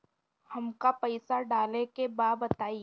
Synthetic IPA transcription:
hɐmkapɐɪsaɖaːlekebaːbɐt̪aːi

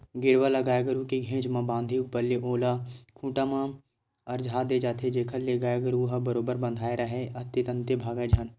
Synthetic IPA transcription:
ɡɪɽwalɐɡaːeɡəɾukiɡʱẽːt͡ʃmãbãːnd̪ʱiupəɾliʔoːlakʰũːʈamãː | ɐɾd͡ʒʱaːd̪ed͡ʒaːt̪ʰed͡ʒeːkʰəlːeɡaːeɡəɾuɦəbəɾoːbəɾbə̃nd̪ʱaːeɾəɦeɐt̪it̪ə̃nt̪ebʱaːɡəd͡ʒʱən

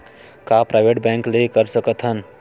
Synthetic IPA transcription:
kapɾaːɪʋeʈbɛ̃ŋklekəɾsəkət̪ʰɦən

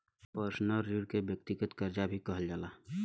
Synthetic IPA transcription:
pəɾsnəɾːuɽkebjək̚t̪ɪɡət̪kəɾd͡ʒabʱikəɦəld͡ʒaːlaː

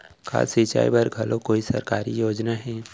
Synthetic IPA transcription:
kʰa̰ːsit͡ʃa̰ːḭbɐɾɡʱɐlokoːisɐ̰ɾkaːɾijoːd͡ʒnaɦɛː

